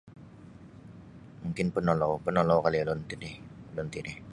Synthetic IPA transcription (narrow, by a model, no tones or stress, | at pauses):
muŋkɪnpənɔlɔwpənɔlɔwkalilɔnt̪ɪnɪhlɔnt̪inɪh